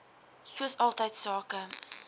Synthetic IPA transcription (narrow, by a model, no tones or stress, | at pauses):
suəsɑlˠtəjtsɑːkə